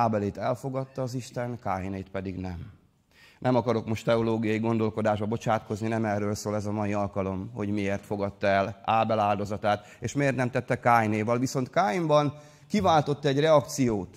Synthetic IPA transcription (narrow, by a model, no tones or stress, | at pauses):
aːbɛleːt̪ɛlfo̞ɡɒt̪ːɒːziʃt̪ɛnkaːjneːt̪pɛd̪iɡnɛm | nɛmɒkɒɾo̞kmo̞ʃt̪ɛo̞loːɡijɒjiɡo̞nd̪o̞lko̞d̪aːʒbɒbo̞t͡ʃaːt̪ko̞zninɛmɛrːøːlsoːlɛzɒmɒjiɒlkɒlo̞mho̞̰ɟmieːrt̪fo̞ɡɒt̪ːɒɛlaːbɛlaːld̪o̞zɒt̪aːt̪ | eːʃmeːrt̪nɛmt̪ɛt̪ːɛkaːjneːvɒlviso̞nt̪kaːjimbɒn | kivaːlt̪o̞t̪ːɛɟrɛɒkt̪sijoːt̪